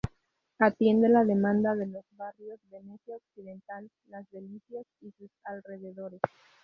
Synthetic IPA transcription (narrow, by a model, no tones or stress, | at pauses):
at̪je̞nd̪e̞lað̞e̞mãnd̪aðe̞lo̞zβarjo̞zðe̞musjaoksiðe̞nt̪alːazðe̞liθjasisusalre̞ðe̞ðo̞ɾe̞s